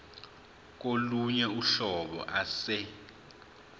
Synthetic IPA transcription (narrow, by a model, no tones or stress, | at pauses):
k̬ʼoluɲɛuɬɔɓɔ̰ʔasɛ